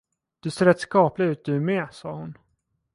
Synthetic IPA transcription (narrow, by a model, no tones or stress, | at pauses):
d̪̥ɵseːɾɛt̪skɑːplɪɡʉ̟ːt̪̚d̪ɵmeːsɑːhʊn